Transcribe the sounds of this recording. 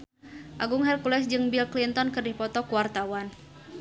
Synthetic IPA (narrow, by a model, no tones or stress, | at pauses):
ʔaɡʊŋɦɛrkulɛsd͡ʒɨŋbilklint̪ɔnkɨrdipɔt̪ɔkuwart̪awan